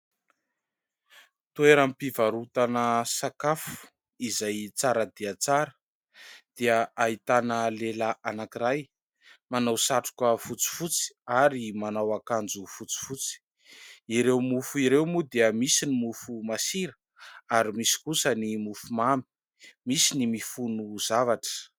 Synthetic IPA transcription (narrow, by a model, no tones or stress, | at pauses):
t̪ueɾampivaɾut̪anəsakafu̥ | izajt͡saɾəd̪iat͡saɾə̥ | d̪̥eəait̪anəlelaʔanakiɾaj | manawsaʈ͡ʂu̥kəfut͡si̥fut͡si̥aɾimanawakand͡zufut͡si̥fut͡si̥ | iɾewmufuiɾewmud̪eəmisinimufumasiɾə | aɾimisi̥kusənimufumambi̥ | misinimifunuzavaʈ͡ʂə̥